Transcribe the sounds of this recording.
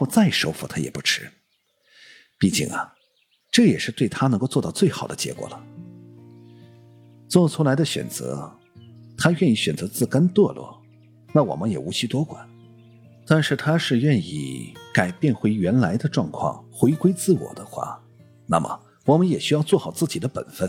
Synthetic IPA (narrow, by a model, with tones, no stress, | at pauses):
ɔ˥˧t͡sa˥˩ɪʂo˥ʊfu˨˩t̪ʰa˥jɛ˨˩pu˥ʈ͡ʂʰɻ̩˥ | pi˥˩t͡ɕḭ˥˩ŋɐ̰˩ | ʈ͡ʂɤ˥˩jɛ˨˩ʂɻ̩˥˧t̪we˥˩ɪt̪ʰa˥˧˥ŋko˥˧ʊt͡swɔ˥˧t̪ɑ˥˧ʊt͡swe˥˩ɪxɑ˨˩ʊd̪ə̰˦t͡ɕjɛ̰˧˥kwɔ̰˨˩lə˦ | t͡swɔ˥˩t͡sʰu˧˥la˧˥ɪd̪ə˧ɕɥɛ̰˨˩nt͡sɤ̰˧˥ | t̪ʰa˥ɥɛ˥˧ni˥˩ɕɥɛ˨˩nt͡sɤ˧˥t͡sɹ̩˥˩kə˥nt̪wɔ˥˧lwɔ̰˥˩ | na˥˩wɔ̰˨˩mə˦njɛ˨˩u˧˥t͡ɕʰi˥t̪wɔ˥kwa̰˨˩˦n | t̪a˥˧nʂɻ̩˥˩t̪ʰa˥ʂɻ̩˥˧ɥɛ˥˧nḭ˥˩ka˨˩ɪpjɛ˥˧nxwe˧˥ɪɥɛ˧˥nla˧˥ɪd̪ə˧ʈ͡ʂwɑ˥˧ŋkʰwɑ̰˥˩ŋxwe˧˥ɪkwe˥ɪt͡sɹ̩˥˩wɔ̰˨˩d̪ə˦xwa̰˥˩ | na̰˥˩mʔə̰˩ | wɔ˨˩mə˦njɛ˨˩ɕy˥jɑ˥˧ʊt͡swɔ˥˩xɑ˨˩ʊt͡sɹ̩˥˩t͡ɕi˨˩d̪ə˦pə̰˨˩nfə˥˩n